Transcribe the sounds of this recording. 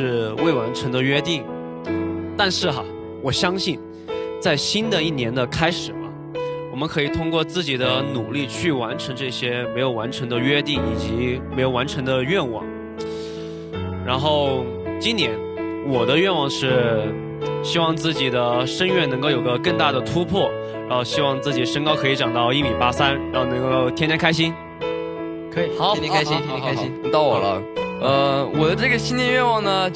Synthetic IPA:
ʂɻ̩˥˧we˥˩ɪwa˧˥nʈ͡ʂʰɤ˧˥ŋd̪ə˧ɥɛ˥t̪i˥˩ŋ | t̪a˥˧nʂɻ̩˥˩xɐ̰˨˩ | wɔ˨˩ɕjɑ˥ŋɕi˥˧n | t͡sa˥˩ɪɕi˥nd̪ə˨i˥˩njɛ˧˥nd̪ə˧kʰa˥ɪʂɻ̩˨˩mɐ̰˦ | wɔ˨˩mə˦nkʰɤ˧˥i˨˩t̪ʰʊ˥ŋkwɔ˥˧t͡sɹ̩˥˩t͡ɕi˨˩d̪ə˦nu˨˩li˥˧t͡ɕʰy˥˩wa˧˥nʈ͡ʂʰɤ˧˥ŋʈ͡ʂɤ˥˩ɕjɛ˥me˧˥ɪjo˨˩ʊwa˧˥nʈ͡ʂʰɤ˧˥ŋd̪ə˧ɥɛ˥t̪i˥˩ŋi˨˩t͡ɕi˧˥me˧˥ɪjo˨˩ʊwa˧˥nʈ͡ʂʰɤ˧˥ŋd̪ə˧ɥɛ˥˧nwɑ̰˥˩˦ŋ | ɻa˧˥nxo˥˩ʊ | t͡ɕi˥nt̪jɛ˧˥n | wɔ˨˩d̪ə˦ɥɛ˥˧nwɑ˥˩ŋʂɻ̩˥˩ | ɕi˥wɑ˥˧ŋt͡sɹ̩˥˩t͡ɕi˨˩d̪ə˦ʂə˥nɥɛ˥˩nɤ˧˥ŋk̬o˥˩ʊjo˨˩ʊɡə˦kɤ˥˧ŋt̪a˥˩d̪ə˩t̪ʰu˥pʰwɔ˥˩ | ɻa˧˥nxo˥˧ʊɕi˥wɑ˥˧ŋt͡sɹ̩˥˩t͡ɕi˨˩ʂə˥ŋkɑ˥ʊkʰɤ˧˥i˧˥ʈ͡ʂɑ˨˩ŋt̪ɑ˥˧ʊi˥˩mi˨˩pa˥sa˥nɻa˧˥nxo˥˩nɤ˧˥ŋkoo˥˩ʊt̪ʰjɛ˥njɛ˥ŋkʰa˥ɪɕ̬i˥n | kʰɑ˨˧˥kɕi˥˧t̪ɑ˥˩ʊwɔ˨˩lə̰˦ə˧wɔ˨˩d̪ə˦ʈ͡ʂɤ˥˩ɡə˩ɕi˥nt̪jɛ˥˧nɥɛ˥˧wɑ˥˩ŋnə˩

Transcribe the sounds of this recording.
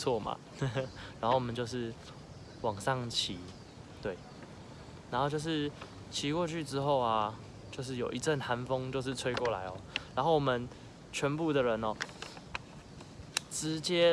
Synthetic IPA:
t͡sʰwɔ˥˨˩ma̰˨˩ | ɻa˧˦nxo˥˩wɔ˨mə̃˨nt͡ɕjo˥˧ʊʂ̬ɻ̩˥˩ | wɑ˨˩ŋʂɑ˥˨ŋt͡ɕʰi˨˦ | t̪we˥˩ɪ | na˨˧nxo˥˧t͡ɕjo˥˧ʊʂɻ̩˥˩ | t͡ɕʰi˨˦kwɔ˥˧t͡ɕʰy˥˩ʈ͡ʂɻ̩˥xo˥˩ʊɐ˨˩ | t͡ɕjo˥˧ʊʂ̬ɻ̩˥˩˨jo˨˩ʊi˧˦ʈ͡ʂə˥˨nha˧˦nfɤ˦ŋt͡ɕjo˥˧ʊʂ̬ɻ̩˥˨t͡sʰwe˥ɪkwɔ˥˩la̰˧˦ɪɔ̰˨ɻa˧˥nxo˥˩ʊwɔ˨mə˨n | t͡ɕʰɥɛ˧˥npu˥˩d̪ə˨ɻə˧˦nɔ˨˩ | ʈ͡ʂɻ̩˧˦t͡ɕjɛ˦

